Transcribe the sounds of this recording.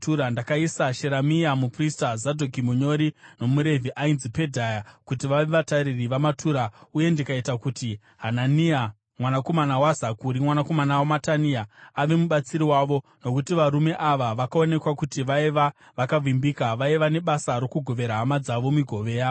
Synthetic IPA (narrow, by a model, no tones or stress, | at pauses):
tuɾandakaisaʃe̞ɾamiamupristazadʱokimuɲo̞ɾino̞muɾe̞viʔainzipe̞dʱajakutiʋaʋeʋataɾiriʋamatʰuɾauje̞ndikaitakuti | ɦanania | mwanako̞manawazakuɾimwanako̞manawamataniaaʋe̞muɓat͡siɾiwaʋo̞no̞kutiʋaɾume̞ʔaʋaʋakao̞ne̞kwakutiʋaiʋa | ʋakavimbikaʋaiʋane̞ɓasaɾo̞kuɡʱo̞ʋe̞ɾaɦːmad͡zaʋo̞miɡʱo̞ʋe̞ːja